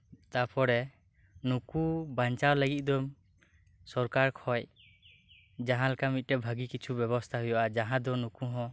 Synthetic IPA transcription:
t̪apɔɾɛ | nukubaɲt͡ʃawləɡit̪̚ˀd̪ɔm | sɔɾkaɾkʰɔj | d͡ʒaɦãlakamit̪̚tɛbʱaɡikit͡ʃʰubjɛβɔst̪ʰaɦujɔʔad͡ʒaɦãd̪ɔnukuɦɔ̃

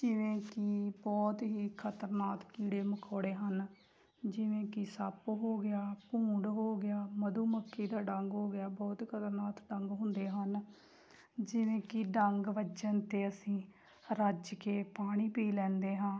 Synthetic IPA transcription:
d͡ʒɪʋẽːkiːbɔːt̪ɦiːkʰət̪əɾnaːt̪kiːɽeːməkʰɔːɽeːɦən | d͡ʒɪʋẽːkisapɦoːɡɪjaːpũːɳɖɦoːɡɪjaːməd̪uːməkʰːiːd̪aːɖəŋɡɦoːɡɪjaːbɔːt̪ikʰət̪əɾnaːt̪ɖəŋɡɦʊ̃nd̪eːɦən | d͡ʒɪʋẽːkiɖəŋɡʋət͡ʃənt̪eːəsĩː | ɾəd͡ʒkeːpaːɽ̃iːpiiːlɛ̃ːnd̪eːɦãː

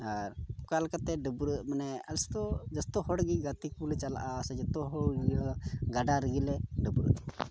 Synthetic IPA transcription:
aɾukalkat̪ɛɖəbɾəʔmanɛast̪ɔd͡ʒast̪ɔɦɔɽɡiɡat̪ikulɛt͡ʃala̰ʔasɛd͡ʒat̪ɔɦɔɽ | ɡaɖaɾəɡilɛɖəbɾə̰ʔ

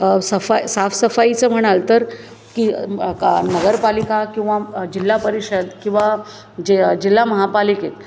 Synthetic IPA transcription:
səfajsafsəfait͡səːm̤əɽ̃alt̪əɾ | ki | nəɡəɾpalikakĩw̃ʋad͡ʑilːapəɾiɕəd̪kĩw̃ʋa | d͡ʑed͡ʑilːaməɦapaliket̪

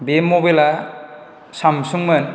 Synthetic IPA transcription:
bemobela | samsuŋmɯn

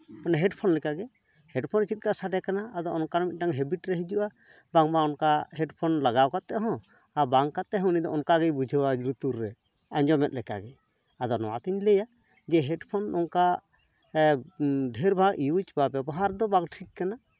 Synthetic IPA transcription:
ɔnɛɦɛɖpʰɔnlɛkaɡɛ | hɛɖpʰɔnt͡ʃit̪̚kasaɖɛkanaːd̪ɔɔnkaɾɔmit̪̚naŋɦɛbiʈɾɛɦid͡ʒuʔa | baŋbaɔnkahɛɖpʰɔnlaɡawkat̪ːɛʔɦɔ̃ | abaŋkat̪ːɛʔɦɔ̃nid̪ɔɔnkaɡɛbud͡ʒʱəwad͡ʒɾut̪uɾːɛ | aɲd͡ʒɔmɛt̪̚lɛka̰ɡɛ | ad̪ɔnɔ̰wa̰t̪iɲlɛja | d͡ʒɛɦɛɖpʰɔnɔŋka | ɖʱɛɾbʱaɡʔiut͡ʃbabɛbɔɦaɾd̪ɔbaŋʈʰit͡ʃ̚kana

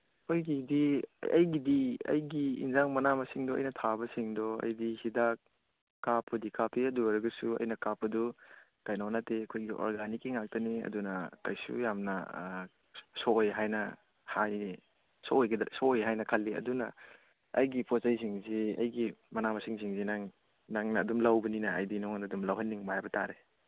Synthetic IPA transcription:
ojɡidiɐ̰jɡidiɐ̰jɡḭːnzaŋmɐnamɐsiŋdɔɐ̰jnɐtʰabɐsiŋdɔɐ̰jdihidakː | apʰɐdikapʰiɐduɐɾɐɡɐsuɐ̰jnɐkapɐdu | kajnanateɐkʰojɡiʔɔ̰ɾɡanikːiŋak̚tɐniɐ̰dunɐkɐjsṵjamnɐ̰ | sɔjɦajnɐ | haj | sojɡɐdsɔjɦajnɐkʰɐlːiɐ̰dunɐ̰ | ɐ̰jɡipʰɔsajs̬iŋziɐ̰jɡimɐnamɐsiŋsiŋzinaŋ | naŋnɐːdumlɐwbɐninɐɐjdinɔŋnɐdumlɐwɦɐnːiŋmajbɐta̰ɾe

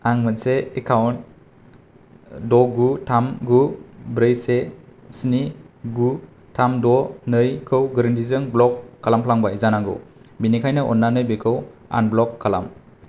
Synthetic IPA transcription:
aŋmɯtseekʰawn | dɔɡutʰamɡubɾɯjsesiniɡu | tʰamdɔnɯjkʰɯwɡɾɯntizɯŋblɔkʰːalampʰlaŋbajzanaɡo̰wbinikʰajnaʔɔ̰nːanɯjbekʰɯwa̰nblɔkʰːala̰m

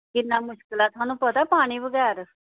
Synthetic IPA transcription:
kɪnːaːmʊʃkɪlaːt̪ʰʊãːnũːpət̪aːpaːɽ̃iːbəɡɛːɾ

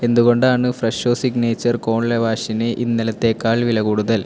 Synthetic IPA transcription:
e̞nd̪uɣo̞ɳɖaːɳɨfrɐʂoːsiɡneːt͡ɕːɐrko̞ːɳlɐʋaːɕineʔinːilɐt̪ːe̞ːkːaːɭʋilɐkuːɽuðɐl

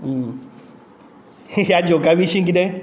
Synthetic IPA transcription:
jad͡ʒokabiʃĩŋɡidẽ

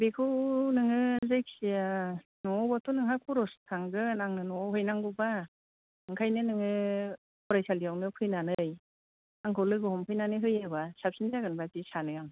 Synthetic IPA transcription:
bekʰɯwnɯŋɯzejk̚sija | nɔːbatʰunɯŋhakʰuɾɔstʰaŋɡɯnaŋnɯnɔɦɯjnaŋɡuba | ɯŋkʰajnɯnɯŋɯ | pʰɔɾajsalijawnɯpʰɯjnanɯj | aŋkʰɯwlɯɡɯɦɔmpʰɯjnanɯjɦɯjaβasap̚sinaɡɯnbazisanɯjaŋ

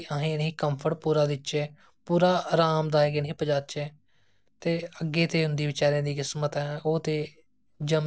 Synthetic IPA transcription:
aɦẽːniːkəmpʰəɽpuːɾaːd̪ɪt͡ʃeː | puːɾaːɾaːmd̪aːɛːɡɪnɦiːpəd͡ʒaːt͡ʃeː | t̪eːəɡːeːt̪eːɦʊnd̪iːʋɪt͡ʃaːɾẽːd̪iːkɪsmət̪ɛ̃ːoːt̪eː | d͡ʒəm

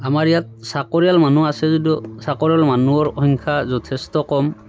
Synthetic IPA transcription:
amaɹjat̚sakɔɹijalmanuasɛzudjɔsakɔɹijalmanuɔɹɔhɔŋkʰazɔtʰɛstɔkɔm

